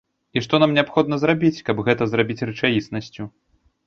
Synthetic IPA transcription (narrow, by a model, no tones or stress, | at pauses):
iʂt̪ɔnamnʲɛapxɔd̪̚nɐzrabʲit͡sʲkɐbɣɛt̪ɐzrabʲit͡sʲrɨt͡ʂajisnɐsʲt͡sʲu